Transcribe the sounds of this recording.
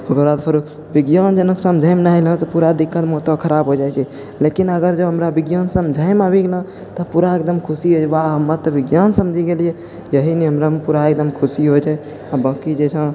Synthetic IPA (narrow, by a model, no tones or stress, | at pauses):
oɡəɾbad̪pʰəɾu | biɡjand͡ʒənəksəmd͡ʒʱəjmnailə̃t̪ɔpuɾad̪ikʰːət̪mɔt̪əkʰəɾabɦod͡ʒat͡ʃʰɛ | lekinəɡəɾd͡ʒəbɦəmɾabiɡjansəmd͡ʒʱəɪmabiɡelə̃ | t̪ɔpuɾaek̚d̪əmkʰusiɦod͡ʒɛʋaɦəmːət̪ɔbiɡjansəmd͡ʒʱiɡelije | jəɦiniɦəmɾamepuɾaek̚d̪əmkʰusiɦod͡ʒɛ | abə̃ːkid͡ʒet͡ʃʰə̃